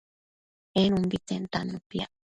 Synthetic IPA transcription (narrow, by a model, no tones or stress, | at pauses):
enumbit͡sent̪anːupia